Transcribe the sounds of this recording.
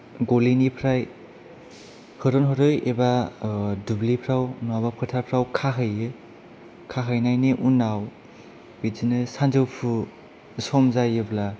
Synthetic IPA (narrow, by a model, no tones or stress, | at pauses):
ɡolinipʰɾaj | hɯɾɔnɦɔɾɯjeba | dublipʰɾawnuabapʰɯtʰapʰɾawkʰaɦɯjɯ | kʰaɦɯjnajneʔunaw | bid͡ʒinɯsand͡ʒɯwpʰu | sɔmzajɯbla